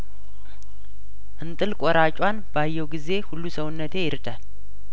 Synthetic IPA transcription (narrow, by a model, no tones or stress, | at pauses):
ʔɨnt̪ʼɨlkʼɔɾat͡ʃʼwanbajːɛwɡize̞hulːusəwnːət̪ʰe̞jɪɾd̪al